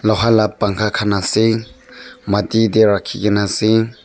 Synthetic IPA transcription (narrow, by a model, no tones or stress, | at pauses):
lɔɦalapːaŋkʰakʰanasi | matideɾakʰːiɡinasi